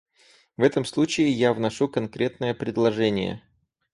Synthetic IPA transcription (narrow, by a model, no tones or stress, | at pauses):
vɛt̪əmslˠut͡ɕɪɪjavnɐʂukɐnkɾʲe̞t̪nəjəpɾʲɪd̪lˠɐʐɛnʲɪ̰jə̰